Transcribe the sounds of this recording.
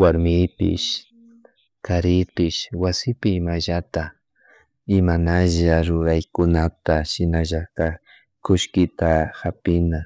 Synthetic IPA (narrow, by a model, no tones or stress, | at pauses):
waɾmɪpɪ̰ʃ | kaɾɪpɪʃwasɪpɪːmaʒat̪a | ɪmanaʒaɾʊɾajkʊnat̪aʃɪnaʒak̪a | kʊʃkɪt̪axapɪna